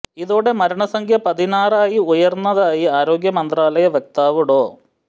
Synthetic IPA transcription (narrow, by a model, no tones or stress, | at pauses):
iðoːɽe̞mɐɾɐɳɐsɐŋkʰjɐpɐðinaːraːjiujɐrnːɐðaːjiaːɾo̞ːɡjɐmɐnd̪raːlɐjɐʋjek̚t̪aːʋuɽo̞ː